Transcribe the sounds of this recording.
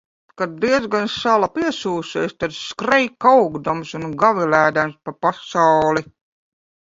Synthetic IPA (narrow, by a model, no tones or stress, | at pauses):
kad̪̚d̪iɛzɡansalˠapiɛsuːsɛjsʲt̪aɾskɾejkːawɡd̪ɔmsunɡavilʲæːd̪amspapasawlʲi